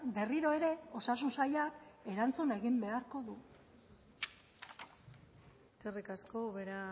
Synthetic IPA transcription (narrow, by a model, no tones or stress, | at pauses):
be̞riɾo̞e̞ɾe̞o̞sas̬unsajake̞ɾant͡sune̞ɣimbe̞aɾko̞ðu | eske̞rikasko̞βeɾa